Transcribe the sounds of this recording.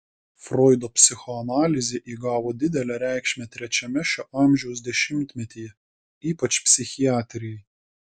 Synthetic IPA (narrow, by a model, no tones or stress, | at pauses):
fɾɔːɪd̪oːpʲsʲɪxɔɐnɑːlʲɪzʲeʔiːɡɑːʋoːd̪ʲɪd̪ʲɛlʲæɾʲæˑɪkʃʲmʲɛt̪ʲɾʲɛt͡ʃʲɛmʲɛʃʲoʔɑˑmʲʒʲɛʊs̬d̪ʲɛʃʲɪmʲt̪ʲmʲɛt̪ʲiːjɛ | iːpɐt͡ʃʲpʲsʲɪxʲɪjæːt̪ʲɾʲɪjɛɪ